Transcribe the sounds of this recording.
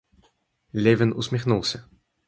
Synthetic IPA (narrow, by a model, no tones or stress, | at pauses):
lʲɛvʲinusʲmʲixnulˠsʲɐ